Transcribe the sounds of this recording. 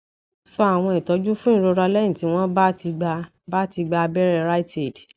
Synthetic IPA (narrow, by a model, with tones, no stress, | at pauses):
sɔ˦a˦˨w̃ɔ̃˧i˨tɔ˨˧˦d͡ʒu˦fũ˦ĩ˦˨ɾo˧ɾa˧lɛ˦jĩ˦˨ti˨˦w̃ɔ̃˦ba˦ti˧ɡ͡ba˧ | ba˦ti˧ɡ͡ba˧bɛ˦ɾɛ˧ɾa˦i˦te˦˨d